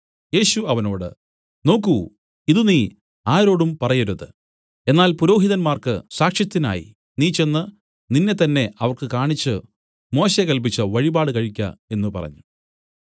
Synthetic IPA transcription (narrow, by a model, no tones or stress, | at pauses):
je̞ːɕuɐʋɐno̞ːɽɨ̰ | no̞ːkːu | iðuniː | aːɾo̞ːɽumpɐrɐjɐɾuðɨ | e̞nːaːlpuɾo̞ːɦiðɐnmaːrkɨsaːkʂjɐt̪ːina̰ːjḭ | niːt͡ɕe̞nːɨ | ninːe̞t̪ɐnːe̞ɐʋɐrkɨkaːɳit͡ɕːɨ | mo̞ːɕekɐlp̬it͡ɕːɨʋɐɻibaːɽɨkɐɻikʲːɐ̰e̞nːupɐ̰rɐ̰ɲːu